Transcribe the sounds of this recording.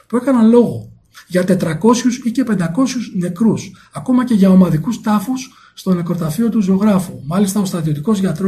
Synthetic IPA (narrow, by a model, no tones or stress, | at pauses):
pue̞kɐnɐlo̞ɣo̞ | ʝɐt̪e̞t̪ɾɐko̞sçusice̞pe̞nd̪ɐko̞sçuzne̞kɾus | ɐko̞mɐce̞ʝɐomɐðikust̪ɐfusː | t̪o̞ne̞kɾot̪ɐfiot̪uzeoɣɾɐfumɐlist̪ɐo̞st̪ɾɐt̪io̞t̪iko̞zʝɐt̪ɾo